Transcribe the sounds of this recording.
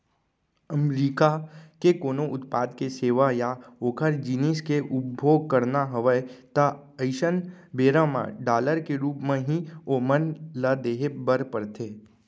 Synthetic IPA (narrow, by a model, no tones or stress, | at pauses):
əmɾiːkakekoːnoʔʊt̪paːd̪keseːʋajaoːkʰəɾd͡ʒiniskeʔʊpbʱoːɡ̚kəɾnaɦəʋəjt̪a | əɪʃənbeːɾãmã̰ɖaːləɾkeɾuːpmẽɦĩomənləd̪eːɦebəɾpəɾt̪ʰeː